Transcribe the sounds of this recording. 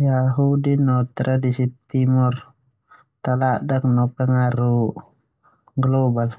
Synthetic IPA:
jaɦudinɔt̪ɾadisit̪imɔr | t̪aladaŋnɔpɛŋaɾu | ɡlɔbal

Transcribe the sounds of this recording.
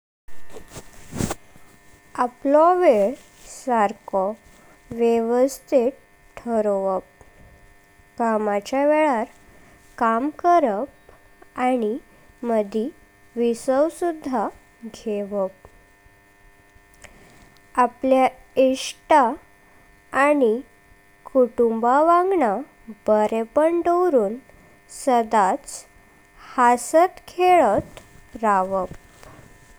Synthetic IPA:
aplɔʋeɭ | saɾkɔ | ʋjeʋəst̪ʰeʈ̚ | ʈʰːəɾoʋəp̚ | kamat͡ɕjaʋeɭaɾ | kamkəɾəp̚ | aɽ̃i | məd̪ʱi | ʋisəwsud̪ʱːa | ɡʱeʋəp̚ | aplja | iʂʈaː | ni | kuʈumbaʋãŋɡɳa | bəɾepəɳɖəwɾuːn | səd̪at͡s | hasət̪kʰeɭət̪ɾaʋəp̚

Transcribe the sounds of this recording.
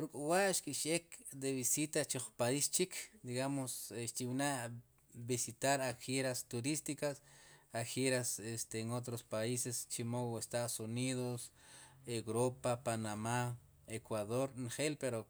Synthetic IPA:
ɾukʼuwaʔʃkʼiʃekd̪eβisit̪at͡ʃoχpaist͡ʃikʰd̪iɡamosʃt̪iwina | bisit̪aɾaxeɾast̪uɾist̪ikasaxeɾasest̪eŋot̪ɾospaisest͡ʃimowest̪aðosuniðos | ewɾopapanama | ekwaðoɾnχelpeɾo

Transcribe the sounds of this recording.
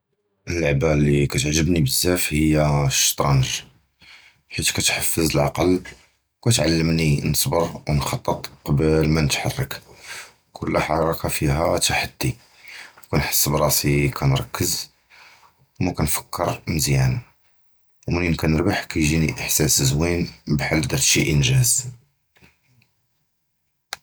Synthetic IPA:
ʔələʕbælikæt̪ʕʒːəbnibəzːæfhəjːæʃt̪ɾˤɑnʒ | ħit̪kæt̪ħɑfːəzəlʕɑ̰qɑl | kæt̪ʕalːəmninəsˤbəɾwnxɑt̪ˤːət̪ˤqɑbəlmænət̪ħɑrˤːək | kʰʊlːħɑɾˤɑkafiɦæt̪ʰaħad̪ːi | wkænħə̥sːəbɾˤɑsikʰænɾˤɑkːəz | wmækænfə̥kʰːəɾˤməzjæn | wməninkænəɾbaħkæjʒiniʔəħsæsəzwinbħalːd̪ɑɾʃiʔənʒæz

